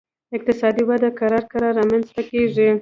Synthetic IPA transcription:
ɪq̚t̪ɪsɑd̪iwad̪akaɾɑɾkaɾɑɾɑmanzt̪akeʐi

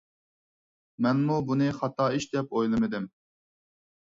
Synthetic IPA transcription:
mɛnmubunɨχɑt̪ʰɑːiʃd̪ɛpojlˠɨmɨd̪ɪm

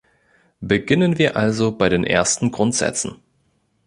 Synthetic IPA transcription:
b̥əɡɪnənviːɐʔalzobaɪɾeːnʔḛːɐstn̩ɡʁʊntz̥ɛ̰t͡sn̩

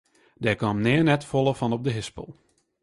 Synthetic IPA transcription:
dɛkamnɛːənɛtfɔlˠəfɔnɔp̚dəɦɪspə̰lˠ

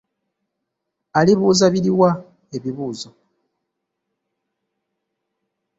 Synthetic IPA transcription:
aliβuːzaβiliwa | eβiβuːzo

